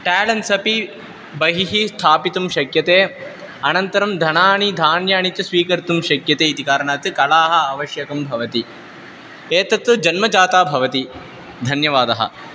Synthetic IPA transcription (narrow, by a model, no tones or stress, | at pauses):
ʈaːlɐnsɐpi | bɐɦiɦist̪ʰaːpit̪umʃɐkjɐt̪eː | ɐnɐnt̪ɐɾɐmd̪ʱɐnaːɳid̪ʱaːnjaːɳit͡ʃɐsʋiːkɐɾt̪umʃɐkjɐt̪eːit̪ikaːɾɐɳaːt̪ɨkɐlaːɦɐ̆ɐʋɐʃjɐkɐmbʱɐʋɐt̪i | eːt̪ɐt̪ːud͡ʒɐnmɐd͡ʒaːt̪aːbʱɐʋɐt̪i | d̪ʱɐnjɐʋaːd̪ɐɦɐ̰